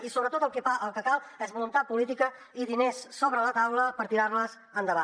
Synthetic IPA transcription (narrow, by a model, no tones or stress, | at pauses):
isoβɾət̪ot̪əlˠkɛfaʔəlˠkəkalˠɛzβulunt̪at̪̚pulit̪̬ikə | iðinesːoβɾələt̪awləpəɾt̪iɾaɾləz | ənd̪əβa